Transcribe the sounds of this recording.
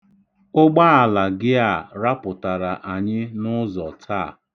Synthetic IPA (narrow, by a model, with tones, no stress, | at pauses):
ʊ˦ɡ͡ba˦a˨la˨ɡɪ˦a˦˨ɾa˦pʊ˨ta˨ɾa˨ʔa˨ɲɪ˦nʊ˦zɔ˨tʰa̰˦˨